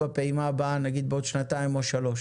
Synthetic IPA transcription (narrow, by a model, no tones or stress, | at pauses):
apeimaːbaanaɡid̪̚beod̪ʃnat̪aimo̞ʃalo̞ʃ